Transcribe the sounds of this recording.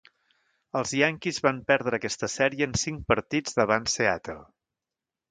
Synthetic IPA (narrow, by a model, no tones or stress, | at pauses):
əlˠzjaŋkizβampɛɾð̞ɾəːkɛst̪əsɛɾiəːnsiŋk̚pəɾt̪id͡zðəβ̞anseat̪ə̰lˠ